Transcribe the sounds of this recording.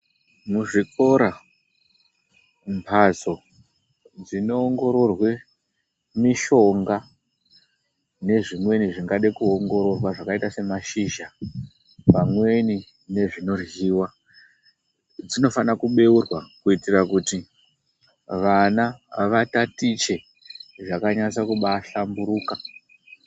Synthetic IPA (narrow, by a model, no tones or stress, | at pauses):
muʐiko̞ɾa | mpʰaso̞ | d͡zino̞ːŋɡo̞ɾo̞rwe̞ | miʃo̞ŋɡa | ne̞ʐimwe̞niʐiŋɡaɗekuoŋɡo̞ɾo̞rwaʐakaitase̞maʃiːʒa | pamwe̞ni | ne̞ʐino̞rjiːwa | d͡zino̞fanakuɓe̞urwakuitirakuti | ʋanaʋatatit͡ʃe̞ | ʐakaɲat͡sakuɓaɬambuɾuːka